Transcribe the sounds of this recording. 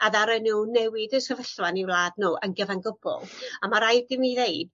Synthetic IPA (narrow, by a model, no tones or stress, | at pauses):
aðaɾɛnuːnɛwɪdəsəvəɬwaniwlˠaːdnuːʔənɡəvanɡəbɔ̰lˠamaɾajd̥ɪmiðejd̥̚